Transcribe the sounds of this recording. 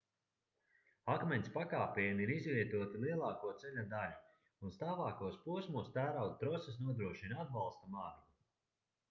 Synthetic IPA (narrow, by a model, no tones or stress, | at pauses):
akmɛnʲspakaːpʲejmiɾizvʲiɛt̪uɔt̪ilˠiɛlˠɑːkuɔt̪selʲad̪alu | unst̪aːvaːkuɔspuɔsmuɔst̪æːɾawd̪̚t̪ɾɔses̬nuɔd̪ɾuɔʃinad̪̚balˠst̪amaːɾi